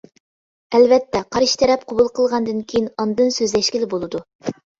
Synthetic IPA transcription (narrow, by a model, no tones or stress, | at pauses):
ɛlvɛt̪ʰːɛqʰɑɾɨʃt̪ʰɛɾɛp̚qʰobulˠqʰəlˠʁɑnd̪ɨnkʲʰejinɑnd̪ɨnsøzlɛʃkʲilɪbolˠɨd̪u